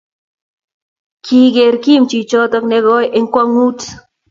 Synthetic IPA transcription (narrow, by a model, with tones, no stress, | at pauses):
kʰi˦ɣe˨ɾki˦mt͡ʃit͡ʃo˦t̪o˦kneɣojʔeŋkʷaŋu˦t͡s